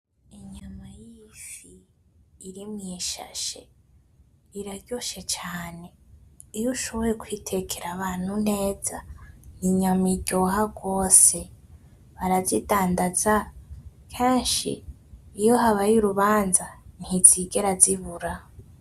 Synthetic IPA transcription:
iɲamajiʃiː | ɾimɲiʃa̰ʃḛ | iɾaɟoʃet͡ʃaːne̞ | ijuʃoβojekwitʰe̞kʰeɾaβaːn̥hun̥e̞ːzaniɲamiɟo̞ːɦaɡwo̞ːse̞ | βaɾazidaːndaza | kʰeːnʃḭː | joɦaβajuɾuβaːnzan̥iz̥iɡeɾaziβuɾa

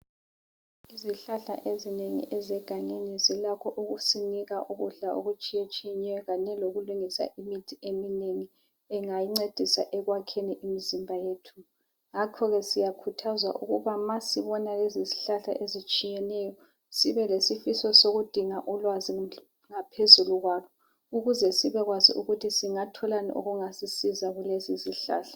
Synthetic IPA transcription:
iziɬaɬa̰ʔezineŋḭʔɛzɛɡ̥ʱaɲinizilakʰɔʔuɣusiniɣaʔuɣuɮaʔoɣut͡ʃʼijet͡ʃʼijɛɲɛjɔɣaɲɛloɣuluŋisa̰ʔimitʰiemineŋi | ɛŋajiŋ͡ǀed̥ʱisaʔɛɣwakʰeniʔimizimbʱajeːtʰu̥ | ŋakʰɔɣɛsijakʰutʰazwa̰ʔṵɣuβamasiβɔnaleziziɬaɬa̰ʔezit͡ʃʼijɛnɛjɔ | siβɛlesifisɔsoɣud̥ʱiŋaʔɔlwazi | ŋapʰezuluɣwaːlɔ | uɣuzɛsiβɛɣwazḭʔuɣutʰisiŋatʰɔlanḭʔo̰ɣuŋasisizaɣuleziziɬa̰ːɬḁ

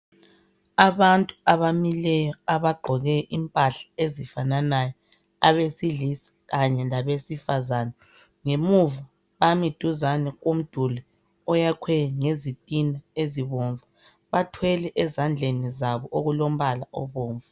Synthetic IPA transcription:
aβantʼuaβamilɛjɔaβaɡ͡ǃʱɔɣɛʔimpʼaɬḁezifananajɔ | aβesiɮisi̥ɣaɲɛlaβesifazanɛ | ŋemuva | βamid̥ʱuzanɛɣom̩d̥ʱulɛ | ɔjakʰwɛŋezitʼinaeziβoɱva | βatʰwɛlɛʔɛzand͡ɮʱenizaβɔʔoɣulom̩βalaʔɔβoːɱva

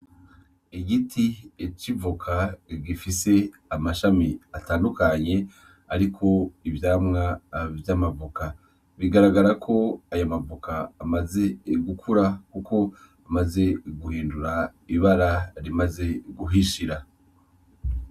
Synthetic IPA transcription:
iɡitʰiet͡ʃivukʰaɡifise̞amaʃamiataːndukaɲe̞ | aɾikʰo̞ivjaːmŋavjamavuka | βiɡaɾaɡaɾakʰo̞ajomavukaːmaze̞ɡukʰuɾakuko̞ | amaze̞ɡuhiːnduɾaiβaɾaɾimaze̞ɡuɦiʃiɾa

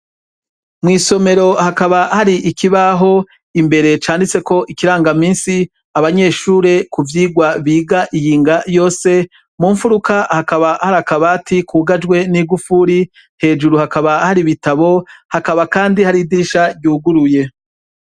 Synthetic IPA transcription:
mŋiːso̞me̞ɾo̞hakaβahaɾiʔikiβaɦo̞ | imbe̞ɾe̞t͡ʃaːndit͡se̞ko̞ʔikiɾaːŋɡamiːnsi | aβaɲe̞ʃuːɾe̞kuvjiːɡwaβiːɡaʔijiːŋɡajo̞ːse̞ | muːɱfuɾukahakaβahaɾakaβatikʰuːɡad͡ʒɡwe̞niːɡufuɾi | he̞ːd͡ʒuɾuhakaβahaɾiβitaβo̞hakaβakaːndihaɾidiːʃaɟɟuːɡuɾuje̞

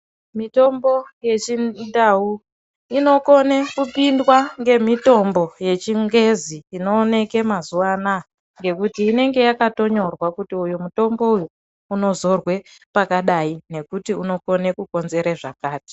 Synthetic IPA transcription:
mito̞mbo̞je̞t͡ʃindau | ino̞ko̞nekupindwaŋɡe̞mito̞mbo̞jet͡ʃiŋɡe̞ziːno̞ːne̞ke̞mazuwana | ŋɡe̞kutiːne̞ŋɡe̞jakato̞ɲo̞rwakutiujumuto̞mbo̞uju | uno̞zo̞rwe̞ | pakaɗaine̞kutiuno̞ko̞ne̞kuko̞nze̞ɾeʐakaːti̥

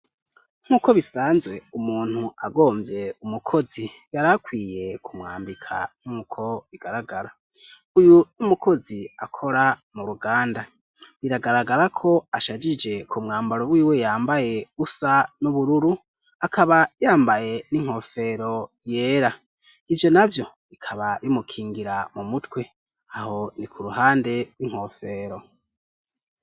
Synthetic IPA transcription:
ŋ̥uːko̞βisaːnzwe̞umuːn̥huaɡo̞ːmbje̞umukʰo̞zijaɾakwiːje̞kʰumŋa̰ːmbikʰa̰ŋ̥ukʰo̞βiɡ̥aɾaɡaɾa | ujunumukʰo̞ziakʰo̞ɾamuɾuɡaːnda | βiɾaɡaɾaɡaɾakʰo̞aʃad͡ʒid͡ʒe̞kʰumŋaːmbaɾoβwiːwe̞jaːmbaje̞βusanuβuɾuɾu | akʰaβajaːmbaje̞niŋ̥ho̞fe̞ɾo̞je̞ːɾa | ivjo̞navjo̞ | βikʰaβaβimukʰiːŋɡiɾamumutwe̞ | aho̞nikʰuɾuhaːnde̞ɾwiŋ̥ho̞ːfe̞ːɾo̞

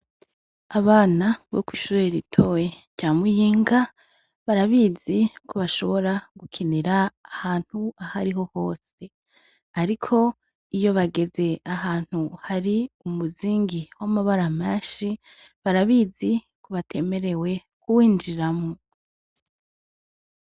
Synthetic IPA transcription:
aβaːnaβo̰kwiʃuɾeɾitʰo̞we̞ɾɟaːmujiːŋɡa | βaɾaβiːzikʰuβaʃo̞βo̞ɾaɡ̥ukʰiniɾaahaːn̥huahaɾiɦo̞ho̞ːse̞ | aɾikʰo̞ | ijo̞βaɡe̞ze̞aɦaːn̥huhaɾiumuziːŋɡiwamaβaɾameːʃi | βaɾaβiːzi | kʰuβatʰe̞me̞ɾe̞we̞ | kʰuwiːnd͡ʒiɾamo

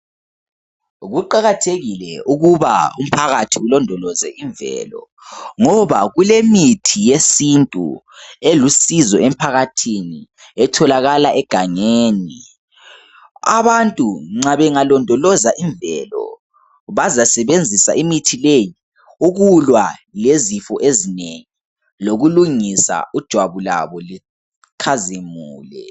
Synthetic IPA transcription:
ɣuǃaɣatʰeɣilɛuɣuβa̰um̩pʰaɣatʰiulɔndʱɔlɔzɛ̰ʔiɱvɛ̰lɔ̰ | ŋɔβaɣulemitʰijesintʼṵ | elusizɔʔem̩pʰaɣatʰini | ɛtʰɔlaɣalaʔɛɡ̥ʱaŋeːni | a̰βantʼuŋ͡ǀaβɛŋalɔndʱɔlɔzaʔiɱbvɛlɔ̰ | βazasɛβend͡zʱisa̰ʔimitʰileji | uɣulwalezifɔʔezineŋi | loɣuluŋisa̰ud̥ʒ̥ʱwaβula̰βɔli | kʰazemuːlɛ̰

